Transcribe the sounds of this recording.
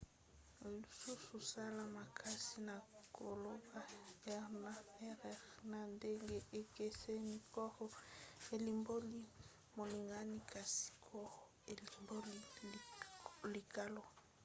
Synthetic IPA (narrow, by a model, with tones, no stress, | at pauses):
li˨su˦su˨sa˦la˨ma˨kʰa˦si˦na˨kʰo˨lo˦ba˦˨ɛ˨na˨ɛ˦ʁɛ˨ʁna˨nde˦ŋɡe˦ʔe˨ke˦se˦mi˨kɔ˦ʁɔ˦e˨li˨mbo˦li˦ | mo˨li˨ŋɡa˦ni˦ka˨si̥˦kʰɔ˦˨˦e˨li˨mbo˦li˦ | li˨ka˦lo˦